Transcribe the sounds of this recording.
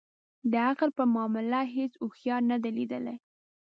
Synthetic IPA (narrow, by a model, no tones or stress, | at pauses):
d̪əaqlpəmɑmɪlaɦesuxjɑnad̪alid̪əla̰j